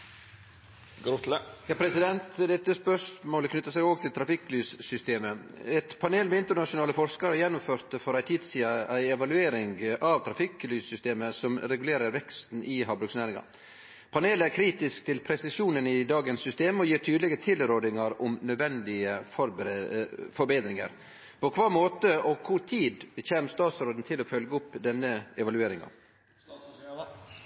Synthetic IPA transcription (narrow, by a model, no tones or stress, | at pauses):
ɡɾʊt̪ləjɑːpʰɾɛsɪd̪ɛnt̪d̪ɛt̪ːəspœʂmoːləkʰnʉt̪ːɑsɛɡoːɡt̪ʰɪlt̪ʰɾɑfɪklyːssʏst̪eːməɛt̪pʰɑneːlmɛɪnt̪əɾɳɑʂʊnɑːləfɔɾʂkɑɾəjɛnːʊmføːɾt̪əfɔɾæɪt̪ʰiːd̪siːɑæɪɛʋɑlʉeːɾɪŋɡɑʋt̪ʰɾɑfɪklyːsːʏst̪eːməsɔmɾɛɡʉleːɾəɾʋɛkst̪n̩ʔɪɦɑːbɾʉksnæːɾɪŋɑ̰ | pʰɑneːləæɾkʰɾiːt̪ɪskt̪ʰɪlpʰɾɛsɪʂuːnənɪd̪ɑːɡənsːʏst̪eːmɔjiːɾt̪ʰyːd̪lɪɡət̪ʰɪlɾoːd̪ɪŋɑɾʊmnœd̪ʋɛnd̪ɪəfɔɾ | fɔɾbeːd̪ɾɪŋə̰ɾ | pʰɔkʰʋɑːɾmoːt̪əɔkʰʊɾt̪ʰiːd̪əçeːmst̪ɑːt̪sɾoːd̪n̩t̪ʰɪlɔfœlɡəʊpːd̪ɛnːəɛʋɑlʉeːɾɪŋɑ̰